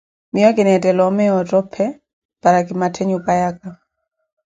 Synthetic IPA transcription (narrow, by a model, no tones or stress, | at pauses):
miɔkɪnɛtɛlɔmɛɔtɔpʰɛ | paɾakɪmatʰɛɲupajaka